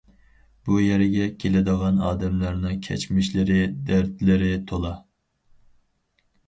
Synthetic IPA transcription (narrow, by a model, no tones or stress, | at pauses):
b̥ujæɾɡʲɛkʲʰelɪd̪əʁɑnɑ̰ːd̪ɛmlɑɾnɨŋkʲʰɛ̰t͡ʃmɪʃlɪɾɪd̪æɾd̪ɪlɪɾɪt̪ʰolˠɑ